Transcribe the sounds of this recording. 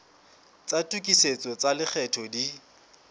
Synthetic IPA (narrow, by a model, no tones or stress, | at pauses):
t͡satʼukʼiset͡sʼɔt͡salɪk͡xʰɛtʰɔdi